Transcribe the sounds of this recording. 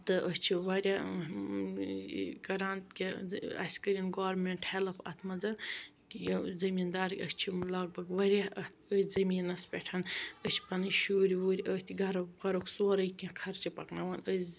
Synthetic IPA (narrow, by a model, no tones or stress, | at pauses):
t̪ɨʔəst͡ʃʰiʋɐɾʲa | ɡɐɾaːnt̪kʲiɐ̰sʲkəɾʲinɡaːɾmeɳʈhelɐpʰɐ̰t̪ʰmɐd͡zɐ | kjɐzɐmiːnd̪aːɾkʲəst͡ʃʰilɐɡ̚bɐɡʋɐɾʲaɐt̪ʰəjzɐmiːnɐspʲeʈʰɐnət͡ʃʰi̥pɐnɨʃuːɾʲiʋuːɾʲiʔəht̪ʰʲiɡɐɾɐɡɐɾokʰsoːɾɐjkʲĩkʰɐɾt͡ʃipɐknɐʋɐnə